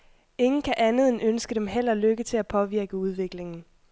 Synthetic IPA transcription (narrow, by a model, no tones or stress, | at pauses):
e̝ŋn̩kʰæʔænð̞̩ˠenønsɡ̥əd̥emɦel̰ɐløɡ̥ət͡sʰe̝æpʰɒ̽ʋiɐɡ̥əuð̞ˠʋe̝ɡ̥le̝ŋn̩